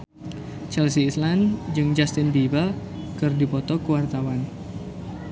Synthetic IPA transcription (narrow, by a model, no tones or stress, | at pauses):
t͡ʃɛlsiːsland͡ʒɨŋd͡ʒast̪ɪnbibal | kɨrdipɔt̪ɔkəwart̪awan